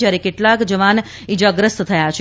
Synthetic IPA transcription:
d͡ʒjaɾekeʈlakd͡ʒəʋan | id͡ʒaɡɾəst̪t̪ʰəjat͡ʃʰ

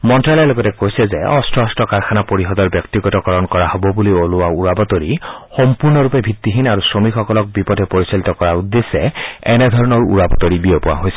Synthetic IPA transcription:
mɔntɹalɔloɡɔtɛkojsɛzeʔɔstʰɔɔstɔkaɹkʰanapoɹiɦɔd̪ɔɹbjɔkt̪iɡɔtɔkɔɹɔnkɔɹahɔbɔbulioluauɹabɔt̪ɔɹixɔmpuɹnɔɹupebʱit̪ːiɦinaɹusɹomikxʰɔkɔlɔk̚bipɔdʱɛpoɹisalit̪ɔkɔɹaud̪ːesɛɛnɛd̪ʱɔɹɔnɔɹṵɹabɔt̪ɔɹibiɔpɔwa̰ɦojsɛ

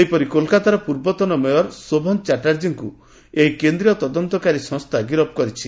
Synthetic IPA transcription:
ejpɔɾikolkat̪aɾɔpuɾbɔt̪ɔnɔmejɔɾsobʱɔnt͡ʃaʈaɾd͡ʒiŋku | eɦikend̪ɾiɔt̪ɔd̪ɔnt̪ɔkaɾisɔ̃ŋst̪ʰaɡiɾɔb̚kɔɾit͡ʃʰi

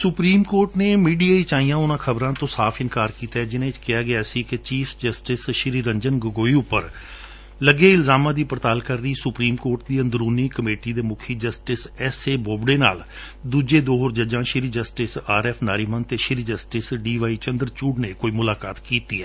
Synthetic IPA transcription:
sʊpɾiːmkoːɾʈneːmiːɖiːaːiːt͡ʃaːijãːʊnãːkʰəbɾãːt̪õːsaːpʰɪnkaːɾkiːt̪aːɛːd͡ʒɪnãːɪt͡ʃkɪjaːɡɪaːsiːkɪt͡ʃiːfʰd͡ʒəsʈɪsʃɪɾiːɾəɲd͡ʒənɡəɡoːiːʊpːəɾ | ləɡeːɪlzaːmãːd̪iːpɾət̪aːlkəɾːiːsʊpɾiːmkoːɾʈ̚d̪iːənd̪ɾuːniːkəmeːʈiːd̪eːmʊkʰiːd͡ʒəsʈɪsɛːseːboːbɽeːna̰ːl | d̪uːd͡ʒeːd̪oːɦoːɾd͡ʒəd͡ʒãːʃɪɾiːd͡ʒəsʈɪsaːɾɛːpʰnaːɾiːmənt̪eːʃɪɾiːd͡ʒəsʈɪsɖiːʋaːiːt͡ʃənd̪əɾt͡ʃuːɖneːkoːiːmʊlaːkaːt̪kiːt̪iːɛː

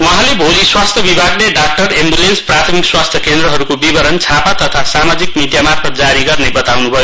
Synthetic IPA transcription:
uɦãlebʱoliswast̪ʰjʌbibʱaɡleɖak̚ʈʌrembulensprat̪ʰʌmikswast̪ʰjʌkend̪ɾʌɦʌɾukobibʌɾʌnt͡sʰapat̪ʌt̪ʰasamad͡zikmiɖijamarpʰʌt̪̚d͡zaɾiɡʌrnebʌt̪awnubʱʌjo

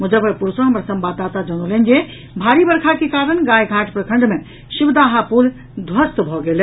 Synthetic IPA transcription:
mud͡ʒəbəpuɾsoɦəmɾasəmbad̪at̪ad͡ʒəɽ̃olənd͡ʒe | bʱaɾibəɾkʰakekaɾəɳɡajɡʱaʈʰpɾəkʰəɳɖme | ʃibd̪aɦapul | d̪ʱwəst̪bʱɔɡele

